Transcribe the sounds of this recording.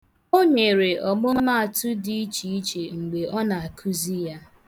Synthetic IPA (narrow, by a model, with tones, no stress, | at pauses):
o˦ɲe˨ɾe˨ʔɔ˨mʊ˦m˦ma˦a˨tʊ˦di˦i˦t͡ʃi˨i˦t͡ʃe˨ŋ͡m̩˨ɡ͡be˨ʔɔ˦na˨a˨kʰu˦zi˦ja˦